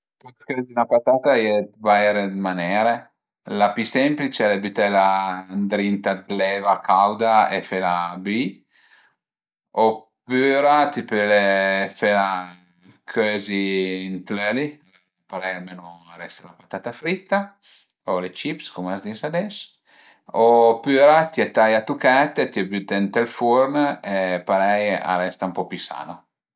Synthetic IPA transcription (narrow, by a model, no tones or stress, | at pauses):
pat̪okɛzynapat̪at̪ajet̪ivaɛɾed̪manɛːɾe | lapisɛmplit͡ʃɛlebyt̪ɛland̪ɾint̪ad̪lɛvakawd̪aefelabi | opyːɾat̪ipɛlefɛla | kʰøziːnt̪lɛli | paɾɛjalmeːnoɾɛst̪alapat̪at̪afɾit̪ːa | olet͡ʃipskumazd̪isad̪ɛs | opyɾat̪iɛt̪ːajat̪ukɛt̪ːet̪iabyt̪ɛnt̪elfuɾnepaɾɛja̰ɾɛst̪aumpɔpisa̰ːno